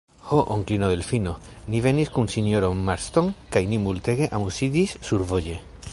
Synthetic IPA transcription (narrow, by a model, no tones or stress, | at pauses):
hoʔoŋklinoðelfino | nive̞niskunsinoɾoːaɾst̪oŋkajnimult̪e̞ɡe̞ʔamusid̪isːuɾvoje